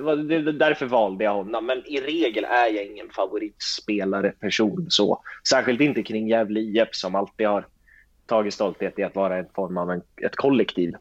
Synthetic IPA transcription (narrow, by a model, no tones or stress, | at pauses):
vad̪ɛd̪æɾfœɾvɑːld̪əjahɔnːɔmːɛnɪɾeːɡəlæɾjaɪŋːənfavʊɾiːt̪speːlaɾəpʰæʂuːnsɔ̰sæːɾɧɪlt̪ɪnt̪əkʰɾɪŋːjɛːvlːɛpsɔmalt̪ːiːd̪haɾ | t̪ʰɑːɡɪt̪st̪ɔlt̪heːt̪ɪɾat̪vɑːɾaɛnfɔɾmavɛnɛ̰t̪kʰɔlːɛkt̪ʰiːv